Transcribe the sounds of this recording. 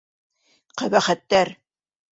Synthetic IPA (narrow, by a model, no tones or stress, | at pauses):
qæβæχæt̪ːæɾ